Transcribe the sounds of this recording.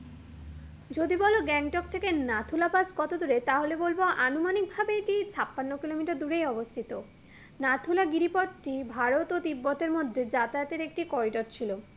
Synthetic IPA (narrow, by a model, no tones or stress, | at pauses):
d͡ʑod̪ibɔloɡɛŋʈɔk̚t̪ʰekenat̪ʰulapaskɔt̪od̪uɾet̪aɦolebolboʔanumanik̚bʱabeʈit͡ɕʰapːanːokilomiʈad̪uɾejɔbost̪ʰit̪o | nat̪ʰulaɡiɾipɔt̪ʈibʱaɾot̪ot̪ibːɔt̪eɾmod̪ʱːed͡ʑat̪at̪eɾek̚ʈikɔɾiɖoɾt͡ɕʰilo